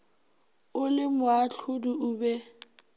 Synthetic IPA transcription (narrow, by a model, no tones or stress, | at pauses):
ʊlɪmʊaɬʰʊduʊːbɛ